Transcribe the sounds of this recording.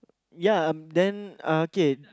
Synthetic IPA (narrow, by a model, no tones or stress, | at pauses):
jaʌ̃mdɛ̃nʌoke